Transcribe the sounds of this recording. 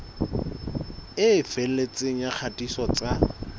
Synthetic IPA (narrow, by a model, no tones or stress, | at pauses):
ɪfel̩et͡sʼeŋ̩jak͡xʰatʼisɔt͡sʼa